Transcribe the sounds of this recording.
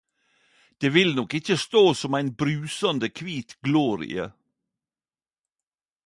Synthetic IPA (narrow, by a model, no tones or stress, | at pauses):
d̪̥eːʋɪlnɔkɪçəst̪oːsɔmæɪnbɾʉːsɑnd̪əkʰʋiːt̪ɡloːɾɪ̰ə̰